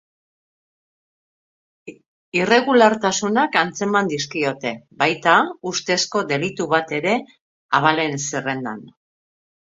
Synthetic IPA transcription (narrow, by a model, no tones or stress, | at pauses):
ire̞ɣulaɾt̪asunakant͡se̞mand̪iskio̞t̪e̞bajt̪aust̪e̞sko̞d̪e̞lit̪uβat̪e̞ɾe̞ | aβale̞nsere̞nd̪a̰n